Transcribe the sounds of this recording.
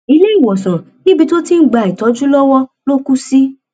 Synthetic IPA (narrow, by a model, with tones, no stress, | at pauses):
i˧le˦i˦˨wɔ˨sã˨ | nĩ˦bi˧to˦ti˦n̩˦ɡ͡ba˨i˨tɔ˨˦d͡ʒu˦lɔ˦wɔ˦lo˦ku˦si˦